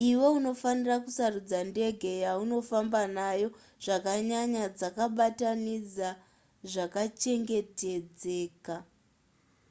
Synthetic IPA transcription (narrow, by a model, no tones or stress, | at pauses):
iwo̞uno̞fanirakusarud͡zande̞ɡʱe̞jauno̞fambanajo̞ | ʐ̥akaɲaɲad͡zakaɓatanid͡za | ʐakat͡ʃe̞ŋɡe̞te̞d͡ze̞ːka